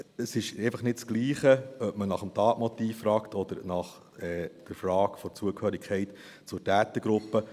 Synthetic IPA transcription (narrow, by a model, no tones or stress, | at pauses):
əsɪʃɛɪfɑχnɪtt͡sɡ̥liːχəœpmənɑχəmtɑːtmɔt̪iːfːɾɑːkt̪ʰɔd̥̪əɾnɑχ | ɛd̥əɾfɾɑːkfɔt͡suəkhøːɾikʰɛɪt̪ | t͡sʊɾtæːt̪əɡ̥ɾʊpːə